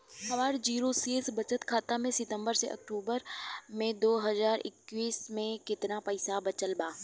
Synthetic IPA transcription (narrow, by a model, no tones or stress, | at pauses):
hɐʋaːɾd͡ʒiːɾoseːsbɐt͡ʃət̪kʰaːt̪amẽsɪt̪ə̃mbəɾsḛʔɐ̰k̚ʈuːbəɾmẽd̪oːɦɐzaːɾɪ̰kwiːsmẽkɪt̪napɐɪsabɐt͡ʃəlbaː